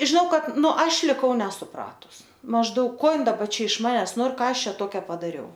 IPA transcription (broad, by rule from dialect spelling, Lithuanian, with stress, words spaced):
ʒʲɪˈnɐʊ ˈkɐt ˈnʊ ˈɐʃ lʲɪˈkɐʊ nʲɛsʊˈprɑːtʊs mɐʒˈdɐʊk ˈkoː ˈɪn dɐˈbɐ ɪʃ ˈmɑːnʲɛs ˈnoːr ˈkɑː ˈɐʃ ˈt͡ʃʲɛ ˈtoːkʲɛ pɐdɐˈrʲɛʊ